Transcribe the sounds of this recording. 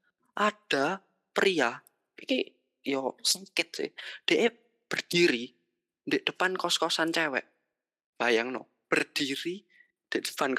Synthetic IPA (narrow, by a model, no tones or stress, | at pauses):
ʔad̥a | pɾia | ikḭ | jɔsəŋkɪt̪̚sɪ̰hd̥eʔe | b̥ərd̪̥iɾi | ndeʔd̥əpankɔskɔsant͡ʃɛwɛ̰ʔ | b̥ajaŋnɔ̰ | b̥ərd̪̥iɾi | nd̥eʔd̥ə̥pan